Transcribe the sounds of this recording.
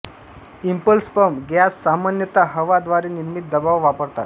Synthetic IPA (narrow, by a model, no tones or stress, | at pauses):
impəlspəmɡjasːamanjət̪aɦəʋad̪ʋaɾiniɾmit̪̚d̪əbaʋʋapəɾt̪a̰t̪